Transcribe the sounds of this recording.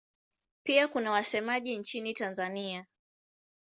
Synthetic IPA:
piakunawasɛmaʄint͡ʃinitanzania

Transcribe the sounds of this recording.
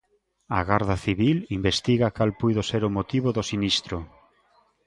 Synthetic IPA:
a̰ɣaɾðaθiβilimbest̪iɣakalpujðoseɾʊmot̪iβoðosinist̪ɾo

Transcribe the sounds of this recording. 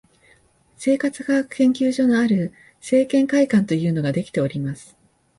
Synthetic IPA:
se̞ːkat͡sɨ̥ɡakɯ̟̥kẽ̞ŋkʲɨːʑo̞noaɾɯ̟ | se̞ːkẽ̞ŋkaikãnt̪o̞jɯ̟ːno̞ɡad̪e̞kʲi̥t̪e̞o̞ɾʲimasɨ̥

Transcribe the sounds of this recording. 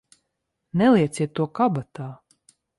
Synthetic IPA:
nɛliɛt̪sʲiɛt̪ːuɔkabat̪aː

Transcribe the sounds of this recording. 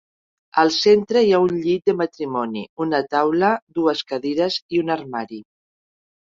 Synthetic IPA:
əlˠsent̪ɾəiaunʎit̪̚d̪əmət̪ɾimɔnḭunət̪awləd̪uəskəðeɾəziunəɾmaɾi

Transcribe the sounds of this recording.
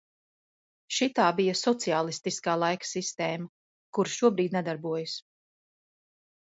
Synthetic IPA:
ʃit̪aːbijasɔt̪siaːlˠist̪iskaːlˠajkḁsist̪ɛːmɐ | kuɾʃuɔbɾiːd̪̚nɛd̪aɾbuɔjus

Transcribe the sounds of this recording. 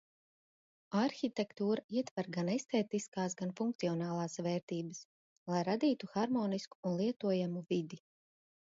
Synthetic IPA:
aɾxʲit̪ɛkt̪uːɾaiɛt̪vaɾɡanest̪ɛːt̪iskaːsɡanfuŋkt̪siɔnaːlˠaːsvɛːɾt̪iːbəs | lˠajɾad̪iːt̪uxaɾmɔːnisku̥ːnlˠiɛt̪uɔjamuvid̪i

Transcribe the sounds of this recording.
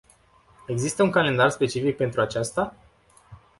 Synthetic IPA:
e̞ɡzist̪əuŋkale̞nd̪arspe̞t͡ʃifik̚pe̞nt̪ɾuat͡ʃast̪a

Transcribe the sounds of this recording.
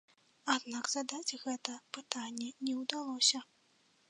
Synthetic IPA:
ad̪naɡz̥ad̪ad͡zʲɣɛt̪ɐpɨt̪anʲːɛnʲɛwd̪alˠɔsʲɐ

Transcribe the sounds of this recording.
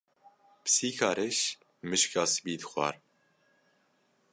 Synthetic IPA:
pɨ̥siːkʰɑːɾɛʃ | mɨʃkɑːsɨ̥biːd̪ɨxʷɑ̰ːɾ

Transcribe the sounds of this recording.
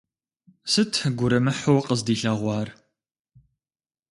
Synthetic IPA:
sɨtʰɡʷʊɾɐmɨħʊwqəzdiːɬɐʁʷɑːr

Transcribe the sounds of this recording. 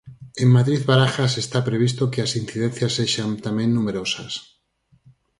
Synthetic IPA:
e̞mmaðɾiðβaɾaxas̬e̞st̪apɾe̞β̞is̬t̪okelasin̟θið̞e̞n̟θjasːe̞ʃant̪amjẽ̞nːume̞ɾo̞sas

